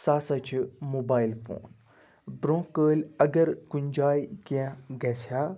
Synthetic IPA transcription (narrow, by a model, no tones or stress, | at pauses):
saːsɐt͡ʃʰmoːbaːilfo̰ːn | bɾõːkəːlɐɡəɾkuɲd͡ʒaːikiãɡɛːsʰaː